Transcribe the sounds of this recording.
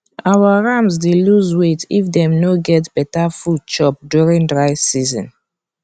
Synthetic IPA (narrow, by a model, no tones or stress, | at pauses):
ʔawaɹamzdeluzwetifdɛ̃mnoɡɛtb̥ɛtafud̚t͡ʃɔp̚djuɹĩndɹaɪsizɔ̰̃n